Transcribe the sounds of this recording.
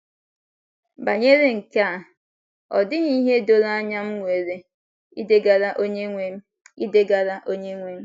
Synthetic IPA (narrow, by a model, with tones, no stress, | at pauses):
ba˨ɲe˦ɾe˦ŋ̩˨ka˦˨ | ɔ̰˨dɪ˦ɲi˦ɦe˦do˨ɾa˦ɲa˦m̩˦ŋʷe˨ɾe˨ | i˦de˦ɡa˨ɾa˦ʔo˦ɲe˦ŋʷe˨m̩˦ | i˦de˦ɡa˨ɾa˦ʔo˦ɲe˦ŋʷe˦m̩˦